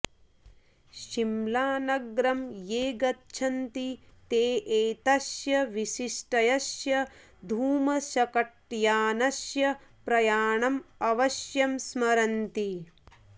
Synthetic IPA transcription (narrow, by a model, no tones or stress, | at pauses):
ʃimlaːnɐɡɾɐmjeːɡɐtːt͡ʃʰɐnt̪it̪eːʔeːt̪ɐʃjɐʋiʃiʂʈɐjɐsjɐ | d̪ʱuːmɐʃɐkɐʈjaːnɐʃjɐpɾɐjaːɳɐmɐʋɐʃjɐmsmɐɾɐnt̪i